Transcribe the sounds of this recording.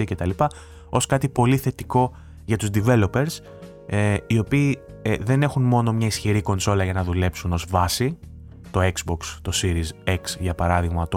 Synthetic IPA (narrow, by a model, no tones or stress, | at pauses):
ice̞t̪ɐlipɐ | o̞skɐt̪ipo̞liθe̞t̪iko̞ | ʝɐt̪uzd̪ive̞lo̞pe̞ɾs | eio̞piː | ðe̞ne̞xunmo̞no̞mɲɐisçiɾiko̞nso̞lɐʝɐnɐðule̞psuno̞zvɐsi | t̪o̞ekzbo̞kst̪o̞siɾizeksʝɐpɐɾɐðiɣmɐt̪o